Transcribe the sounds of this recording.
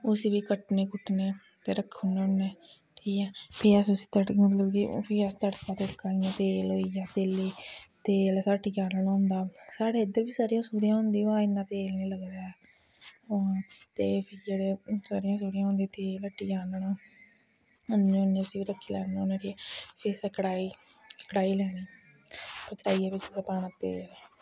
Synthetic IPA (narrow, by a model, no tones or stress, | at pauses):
ʊsiːbiːkəʈneːkʊʈneː | t̪eːɾəkʰːunːonːeː | ʈʰiːkɛːpʰiːɛsʊsiːt̪əʈmət̪ləbkipʰiːəst̪əɽkãːt̪eɽkaːɾɪjãːt̪eːlɦoːiːjaːt̪eːleːt̪eːlsaːʈijaːnənːõːnd̪aːsaːɽeːɪd̪əɾʋiːsaːɾijãːsuːɾijãːõːnd̪iːãːɪnːãːt̪eːlnẽːləɡd̪aːɛː | õːt̪eːpʰiːd͡ʒeːɽeːsaːɾɪjãːsuːɾijãːɦʊ̃nd̪it̪eːləʈːiːd͡ʒaːnɳaː | ənːʊnːẽːʊsiːiːɾəkʰːiːlɛːnonãːɾiɛpʰiːsɛkəɽaːiːkəɽaːiːlɛːɽiː | pəkəʈaːiːɛːbɪt͡ʃːsəpaːɳat̪eːlː